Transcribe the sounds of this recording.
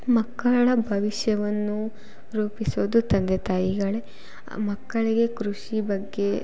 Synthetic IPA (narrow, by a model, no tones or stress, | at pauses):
mɐkːɐɭɐbʱɐʋiʃjɐʋɐnːu | ɾuːpisoːd̪ut̪ɐnd̪et̪aːjiɡɐɭe | mɐkːɐɭiɡe̞kɾuʂibɐɡːe̞